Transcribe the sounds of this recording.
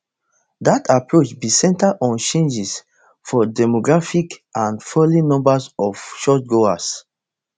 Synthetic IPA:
datapɹot͡ʃbisɛ̃ntadɔ̃nt͡ʃẽnd͡ʒis | fɔdɛmoɡɹafikãnfɔlinɔ̃mbasɔfʃɔt̚ɡoas

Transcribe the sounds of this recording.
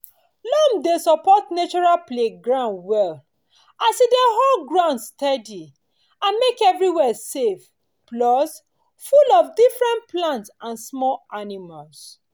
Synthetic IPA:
lɔmdesɔpɔtnet͡ʃɔɹalpleɡɹãndwɛl | asidɛɦɔlɡɹãʊ̃ndstɛdi | ãnmekɛvɹiwɛsef | plɔs | fulɔfdifɹɛ̃nt̚plãntsãnsmɔlanimals

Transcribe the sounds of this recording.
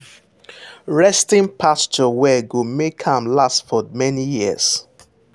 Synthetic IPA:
ɹɛstĩnpʰast͡ʃɔwɛɡomekʰhãmlastfɔmɛnijḭs

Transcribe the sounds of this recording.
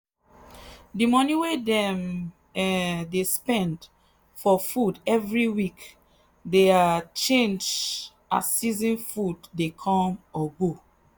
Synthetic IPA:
dimɔniwedɛ̃m | ɛdespɛ̃nd | fɔfudɛvɹiwik | deat͡ʃẽnd͡ʒ | a̰ssizĩnfuddekʰɔ̃mɔɡo

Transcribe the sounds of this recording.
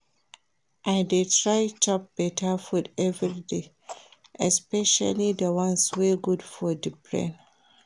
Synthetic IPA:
ʔaɪdetɹajt͡ʃɔp̚b̥ɛtʰafudɛvɹide | ɛspɛʃa̰lidəwãnsweɡudfɔdipʰɹɛ̰̃n

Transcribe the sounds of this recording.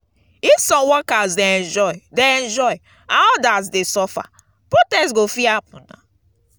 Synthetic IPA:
ifsɔ̃wɔkazdeɛ̃nd͡ʒɔɪdeɛ̃nd͡ʒɔɪ | ãnɔdazdesɔfa̰ | pɹotɛstɡofiapũnã̰

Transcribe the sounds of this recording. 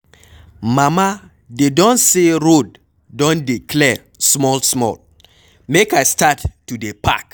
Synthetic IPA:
mama | dedɔ̃nseɹod̚ | dɔ̃ndikʰlɛ | smɔlsmɔ̰l | mekaɪstatːudepʰak

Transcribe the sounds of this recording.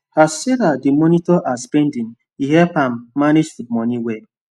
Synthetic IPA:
haseɾadimɔnitɔʔasbẽndin | iɦɛpam̩ːaned͡ʒdimɔniwe

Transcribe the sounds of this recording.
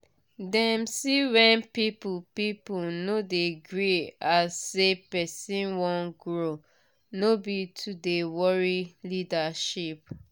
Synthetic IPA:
dɛmsiwɛ̃npipupipunodeɡɹiasːepɛsĩnwɔ̃nɡɹo | nobitʰudewɔɹilidaʃip̚

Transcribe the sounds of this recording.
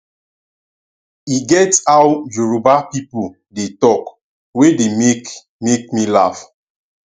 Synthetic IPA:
iɡɛtawd͡ʒuɹubapipu | detɔk | wedemek | mek̚milaf

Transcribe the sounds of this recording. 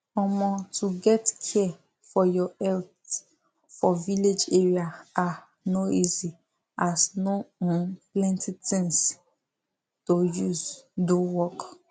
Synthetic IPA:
ɔmɔ̃tʰuɡɛtkʰɛ | fɔjɔɛlθ | fɔviled͡ʒeɹiaa | noizi | asnoɔ̃nplɛ̃ntitĩŋs | tojuzdowɔk

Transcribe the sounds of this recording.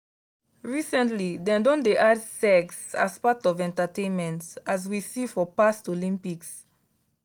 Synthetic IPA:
ɹisɛ̃ntlidɛ̃ndɔ̃ndeʔadsɛksa̰spatɔvɛ̃ntətẽnmɛ̃ntaz̬wisifɔpastolĩmpiks

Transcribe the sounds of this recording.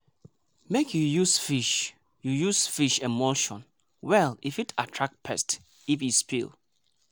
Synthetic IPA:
mekʰjujusfiʃ | jujusfiʃɛmɔlʃɔ̰̃n | wɛlifitʰatʰɹak̚pʰɛst | ifispḭl

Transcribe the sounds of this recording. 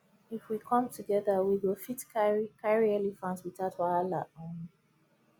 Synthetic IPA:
ifwikʰɔ̃mtʰuɡɛðəwiwilˠfitkʰaɹiɛlifãntswitatʰalaʔɔ̃n

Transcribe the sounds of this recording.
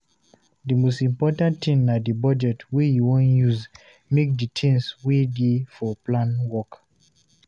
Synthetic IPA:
dimostĩmpɔtãntʰĩnadibɔd͡ʒɛtwijuwɔ̃njuz | mek̚ditʰɛ̃nswedefɔplãnwɔk

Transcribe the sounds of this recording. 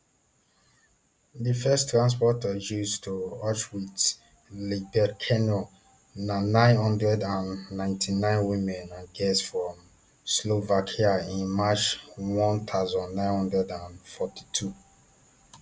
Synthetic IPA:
ðifɛstɹãns̬pɔtəjustʰuɔt͡ʃwit | libɛdkʰɛnɔl | nanãɪ̃nhɔ̃ndɹɛdãnːãɪ̃ntʰinãɪ̃nwimɛ̃nãnɡɛsfɹɔ̃m | slovakʰiaĩnmat͡ʃwɔ̃nt̪ʰaʊzɔ̃nːãɪ̃nhɔ̃ndɹɛdãnfɔti̥tʰu

